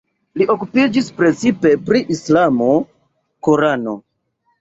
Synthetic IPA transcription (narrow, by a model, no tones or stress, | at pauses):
liʔo̞kupid͡ʒispɾe̞t͡sipe̞pɾiʔislamo̞ | koɾano̞̰